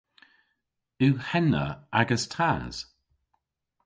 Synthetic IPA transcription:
ʉhɛnə̰aɡəstʰaz̥

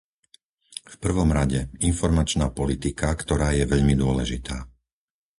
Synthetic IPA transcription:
fpr̩ʋɔmɾaɟɛinfɔɾmat͡ʃnaːpɔlit̪ikakt̪ɔɾaːjɛʋɛʎmid̪ʊɔlɛʒit̪ʰaː

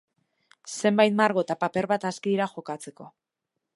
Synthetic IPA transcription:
se̞mbajt̪maɾɣo̞t̪apape̞ɾβat̪askiɾaxo̞kat͡se̞ko̞

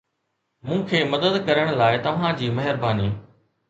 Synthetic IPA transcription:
mũːkʰeːmɐd̪əd̪kɐɾəɽ̃laːɪt̪ɐʋ̤ãd͡ʑiːmɐɦɪɾbaːniː

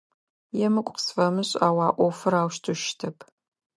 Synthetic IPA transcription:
jɛmɨkʷʼqsfɐmɨɕʼaːwɑːʔʷɔfɨɾaːwʃtʰuʃtʰɐpʰ

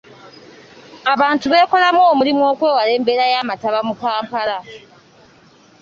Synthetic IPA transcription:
aβaːntuβe̞ːko̞lamoːmulimwo̞ːkwe̞ːwale̞ːmbe̞ːɾajaːmataβamupaːmpala

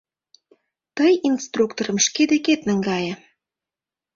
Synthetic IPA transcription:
t̪əjinst̪rukt̪oɾə̆mʃked̪eket̪nəŋɡɑjĕ

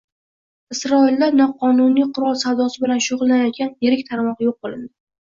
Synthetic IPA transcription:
ɪsɾɒɪlːaɾnɒqʰɒnʊnijqʰʊɾɒlˠsawd̪ɒsɪbɪlanʃoʁʊlˠːanajɒt̪̚kʲanjeɾɪkʲt̪ʰaɾmɒqjoq̚bolˠɪnd̪ɪ

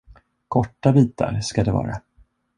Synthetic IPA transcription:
kʰɔʈːabiːt̪a̰ɾʂkad̪ɛvɑ̰ːɾa

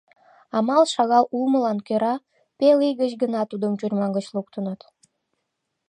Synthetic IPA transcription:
ɑmɑlʃɑɣɑlulməlɑnkøɾɑ | pelijɡət͡ɕɡənɑt̪ud̪əmt͡ɕurʲmɑnɡət͡ɕluk̚t̪ənət̪

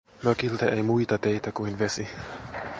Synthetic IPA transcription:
møkilt̪eʔejmujt̪ɑt̪ejt̪ækuinʋesi

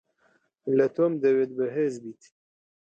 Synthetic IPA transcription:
lət̪ʰomd̪əwed̪̚bəɦezbit̪

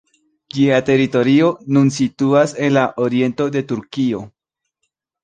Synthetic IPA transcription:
d͡ʒiate̞ɾito̞ɾio̞nunsituase̞nlaʔoɾie̞nto̞de̞tuɾkio̞

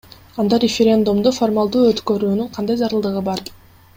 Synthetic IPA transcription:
ɑnd̪ɑɾʲɪfʲeɾʲe̞nd̪umd̪ufo̞rmalˠd̪uːøt̪kø̞ɾyːnyɴqʰɑnd̪ɑjzɑɾɯlˠd̪ɯʁɯbɑɾ

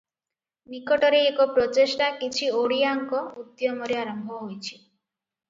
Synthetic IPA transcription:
nikɔʈɔɾeːkɔpɾɔt̪esʈakit͡ʃʰioɽiaŋkɔud̪jɔmɔɾeaɾɔmbʱɔɦojt͡ʃʰi̥

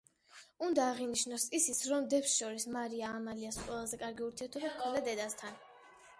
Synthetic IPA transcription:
und̪aːʁiniʃnɔsisit̪sʰɾɔmd̪ɛpsʃɔɾismaɾiaːmaliasqʼwɛlˠazɛkʼaɾɡiuɾt̪ʰiɛɾt̪ʰɔbipkʰɛd̪ad̪ɛd̪ast̪ʰan

